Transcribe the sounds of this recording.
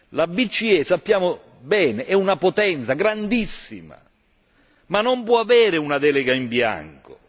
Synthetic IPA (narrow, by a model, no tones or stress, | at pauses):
labit͡ʃːiɛsapːjaːmo | bɛːneʔɛunapot̪ɛnt̪saɡɾand̪isːḭma̰ | manːompwɔavɛːɾɪunad̪ɛːlɪɡaimbja̰ŋko̰